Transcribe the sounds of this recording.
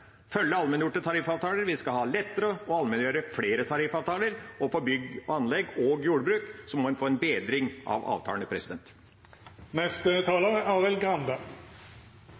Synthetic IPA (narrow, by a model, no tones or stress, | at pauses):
fœlːəɑlmɛnjʊʈːət̪ʰɑɾifɑːʋt̪ʰɑːləɾʋɪskɑhɑːlɛt̪ːəɾəɔɑlmɛnjøːɾəfleːɾət̪ʰɑɾifɑːʋt̪ʰɑːləɾɔfɔɾbʏɡɔɑnlɛɡːoɡjuːɖəbɾʉːksɔmːɔɛnfoːɛnbeːd̪ɾɪŋʔɑ̰ʋɑ̰ːʋt̪ʰɑ̰ləɳəpʰɾɛsɪd̪ɛnt̪ | nɛst̪ət̪ʰɑːləʁɛɑːʁɪlɡʁɑnd̪ɑ